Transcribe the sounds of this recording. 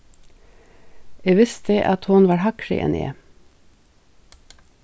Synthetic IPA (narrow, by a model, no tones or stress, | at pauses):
eːʋɪst̪̚eːʔɑt̪hʊnʋɑːɹhɑkʃɪ̰ʔɛ̰nʔḛː